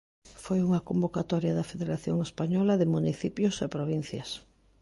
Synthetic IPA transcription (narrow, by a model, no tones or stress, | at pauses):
fojuŋɐkombokat̪ɔɾjɐðɐfeðeɾaθjoŋespaɲɔlɐðɪmuniθipjʊsepɾoβ̞in̟θjɐs